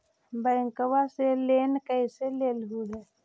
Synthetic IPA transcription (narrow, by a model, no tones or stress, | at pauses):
bəŋkəwaseleːnkəiseleːlɦuːlɛː